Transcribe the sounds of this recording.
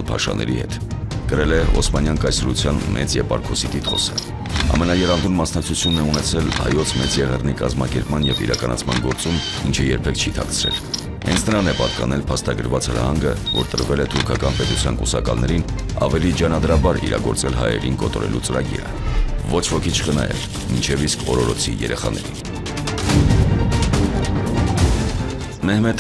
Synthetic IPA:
lpʰɑʃɑ̰nʔɛ̰ɾihɛt̪kəɾɛlɛɔsmɑnjɑŋkɑjsɾut͡sʰjɑnmʔɛt͡sjɛvɑɾkʰɔsit̪it̪χɔsə | ɑ̰mɛnɑjɛɾɑnd̪unmɑsnɑk̚t͡sʰut͡sʰjunːɛunɛt͡sʰɛlhɑ̰jɔt͡sʰmɛt͡sjɛʁɛrnikɑzmɑkɛɾpmɑnjɛvḭɾɑkɑnɑt͡sʰmɑnɡɔɾt͡sum | int͡ʃʰəjɛɾpʰɛk̚ʰt͡ʃʰit̪ʰɑkt͡sʰɾɛl | hɛ̰nt͡sʰnəɾɑnɛpɑt̪kɑnɛlpʰɑst̪ɑɡəɾvɑt͡shəɾɑ̰hɑŋɡəvɔɾt̪əɾvɛlɛt̪ʰuɾkʰɑkɑnpɛt̪ut͡sʰjɑnkusɑkɑlnɛɾinɑ̰vɛlid͡ʒɑnɑd̪ɾɑbɑɾḭɾɑ̰ɡɔɾt͡sɛlɦɑ̰jɛ̰ɾinkɔt̪ɔɾɛ̰lut͡səɾɑɡḭɾə̰vɔt͡ʃʰvɔkʰit͡ʃʰχənɑ̰jɛ̰ɾ | mint͡ʃʰɛviskʰɔɾɔɾɔt͡sʰijɛɾɛχɑnɛɾin | mɛhmɛt̪ʰ

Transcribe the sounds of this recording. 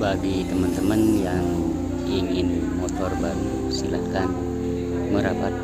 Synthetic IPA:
baɡit̪əmənt̪əmənjaŋ | iŋɪnmɔt̪ɔrbaɾu | silahkan | məɾapat̪̚

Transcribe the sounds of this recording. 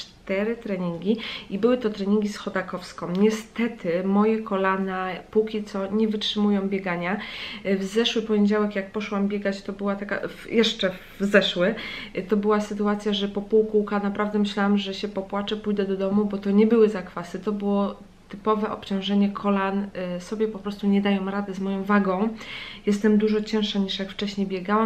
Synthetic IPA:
t͡ʂt̪ɛɾɘt̪ɾɛɲiŋɡʲiibɘwɘt̪ɔt̪ɾɛɲiŋɡʲisxɔd̪akɔfskɔ̃w̃ɲɛst̪ɛt̪ɘmɔjɛkɔlanapukʲit̪sɔɲɛvɘtʂɘmujɔ̃w̃bʲjɛɡaɲavzɛʂwɘpɔɲed͡ʑawɛkjak̚pɔʂwambʲjeɡat͡ɕt̪ɔbɘwat̪aka̰vjʔɛʂt͡ʂɛ | zɛʂwɘt̪ɔbɘwasɘt̪uat̪sʲjaʐɛpɔpuwkuwkanapɾavd̪ɛmɘɕlawamʐɛɕɛpɔpwat͡ʂɛpujd̪ɛd̪ɔd̪ɔmubɔt̪ɔɲɛbɘwɘzakfasɘt̪ɔbɘwɔ | t̪ɘpɔvɛʔɔpt͡ɕɔ̃w̃ʐɛɲɛkʰɔlansɔbʲjɛpɔpɾɔst̪uɲɛd̪ajɔmɾad̪ɘzmɔjɔ̃w̃vaɡɔ̃w̃jɛst̪ɛmd̪uʐɔt͡ɕɛ̃w̃ʂaɲiʂjakft͡ʂɛɕɲejbʲjɛɡawa

